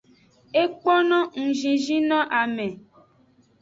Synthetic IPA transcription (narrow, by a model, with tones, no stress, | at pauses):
e˦k͡pɔ˦nɔ̃˦ŋ̩˨ʒĩ˨ʒĩ˦nɔ̃˦ʔa˨mẽ˨